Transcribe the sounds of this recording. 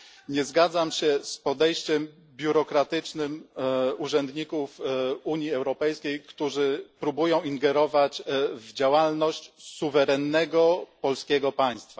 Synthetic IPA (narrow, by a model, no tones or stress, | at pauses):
ɲɛzɡad̪zamɕɛspɔd̪ɛjɕt͡ɕɛm | bʲjuɾɔkɾat̪ɘt͡ʂnɘmuʐɛnd̪ɲikufuɲjiɛwɾɔpɛjskʲejkt̪uʐɘpɾubujɔ̃w̃iŋɡɛɾɔvat͡ɕvd͡ʑawalnɔɕt͡ɕsuvɛɾɛnːɛɡɔpɔlskʲɛɡɔpaj̃st̪fa